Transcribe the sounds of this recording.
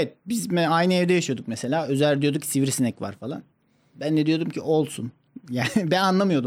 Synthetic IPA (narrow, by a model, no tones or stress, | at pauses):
evɛt̪̚bizmɛajnɯɛvd̪ɛjaʃɯjo̞d̪ukmese̞lʲaːø̞zælʲd̪ijo̞d̪ucsiviɾsinɛcva̰ɾfalˠa̰n | bænd̪ɛd̪ijo̞d̪umcʰiʔo̞lˠsun | jaːnɪbænanlˠamɯjo̞d̪um